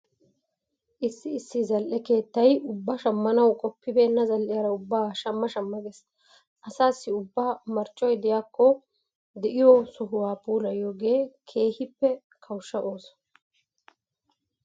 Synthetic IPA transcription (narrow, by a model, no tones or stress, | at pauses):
ʔɪsːɪɪsːɪzɐlʔɛke̞ːt̪ːɐjʊbːɐʃɐmːɐnɐwkʼɔpːɪbeːnːɐzɐlʔɪjɐɾɐʊbːaːʃɐmːɐʃɐmːɐɡes | ʔɐsaːsːɪʊbːaːmɐɾt͡ʃʼːɔjd̪ɛjaːkːɔ | d̪ɛʔɪjɔsʊɦʊwaːpʼuːlɐjoːɡe̞ːkʰe̞ːhɪpːɛ | kʰɐwʃːɐʔo̞ːsɔ̥